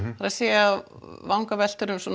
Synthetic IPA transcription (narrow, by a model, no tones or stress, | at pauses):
faɾasɛːjavawŋkavɛl̥t̪ʏɾʏmsɔːn